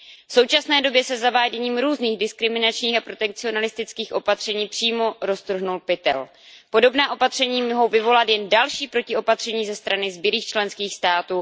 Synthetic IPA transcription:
fso̞wt͡ʃasnɛːdo̞bjɛsɛzavaːɟɛɲiːmɾuːzniːɣdɪskɾɪmɪnat͡ʃɲiːxapɾo̞t̪ɛk̚t͡sɪo̞nalɪst̪ɪt͡skiːxʔo̞pat̪r̝̥ɛɲiːpr̝̥iːmo̞ɾo̞st̪r̩ɦnulpɪt̪ɛ̰l | po̞do̞bnaːʔo̞pat̪r̝̥ɛɲiːmoɦo̞wvɪvo̞lat̪jɛndalʃiːpɾo̞cɪo̞pat̪r̝̥ɛɲiːzɛst̪ɾanɪzbjɪɾiːxt͡ʃlɛnskiːxst̪aːt̪uː

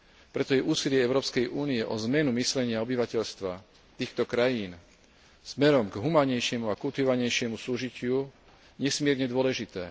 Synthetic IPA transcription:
pɾɛt̪ɔjɛʔuːsilɪɛɛʊɾɔːpskɛjʔuːniɛʔɔzmɛnumislɛɲɪaɔbiʋacɛʎst̪ʋa | t̪iːxt̪ɔkɾajiːn | z̥mɛɾɔmɡɦumaːɲɛjʃɪɛmuakult̪iʋɔʋaɲɛjʃɪɛmusuːʒicɪu | ɲɛsmɪɛɾɲɛd̪ʊɔlɛʒit̪ɛː

